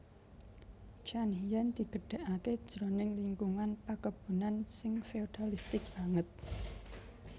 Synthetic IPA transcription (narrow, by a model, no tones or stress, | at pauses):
t͡ʃanɦijand̪̥i̤ɡ̥əɖ̥a̤ʔake̥ʒ̥ɾo̤nɪŋliŋɡuŋanpakəb̥ṳnansɪŋfeod̪̥alist̪ɪk̚b̥a̤ŋət̪̚